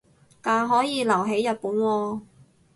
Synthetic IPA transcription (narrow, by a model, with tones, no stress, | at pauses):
kaː˨˧ɦɔː˨˥jiː˨˧lɐ˨˩wɦe˨˥jːɐ˨t̚puː˨˥nwɔː˧